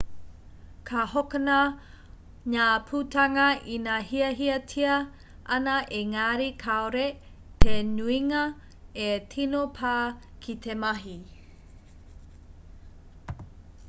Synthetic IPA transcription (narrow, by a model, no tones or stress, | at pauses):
kʰahokənɐ | ɲapʰutɐŋɐinahiɐɦiɐtʰiɐ | ʔɐnɐʔeŋaːɾikʰaoɾe | t̪ʰenuiŋɐ | etʰinopʰaː | kʰit̪ʰemɐɦi